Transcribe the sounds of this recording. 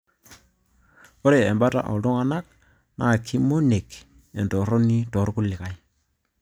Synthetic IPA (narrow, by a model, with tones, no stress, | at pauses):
o˦ɾe˨ɛ˨mba˦ta̰˨ʔɔ̰˨dʊ˦ŋa˨na˦k̚ | na˦˨kʰːɪ˦mo˦ne˨k | ɛ˨ntɔ˨ɾɔ˦ni˦tɔ˨˦ɾkʊ˦lɪ˨ka˦j